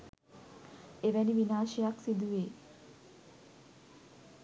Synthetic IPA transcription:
eʋɛniʋinaːʃijaksid̪uʋeː

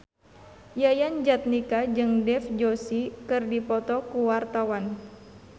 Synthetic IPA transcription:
jajand͡ʒat̪̚nikad͡ʒɨŋdɛfd͡ʒosikɨrdipɔt̪ɔkuwart̪awan

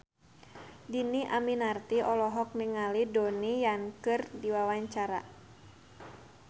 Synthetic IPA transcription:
diniʔaminart̪iɔlɔɦɔk̚niŋalidonijaŋkɨrdiwawaɲt͡ʃaɾa̰

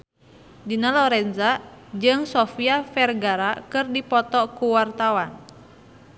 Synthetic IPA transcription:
dinalɔɾɛnzad͡ʒɨŋsofiafɛrɡaɾakɨrdipɔt̪ɔkuwart̪awan

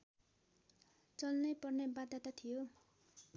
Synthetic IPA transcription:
t͡sʌlnʌjpʌrnebad̪at̪at̪ʰijo

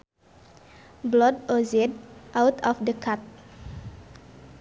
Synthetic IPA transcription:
blɔd̚ozɛd̚ʔawt̪ɔfdəkʰat̪̚

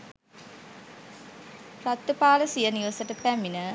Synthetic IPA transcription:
pɾat̪ːəpaːləsijəniʋəsəʈəpæminə

